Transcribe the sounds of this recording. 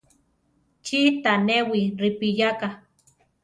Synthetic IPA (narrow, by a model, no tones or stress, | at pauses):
t͡ʃit̪anewiripijaka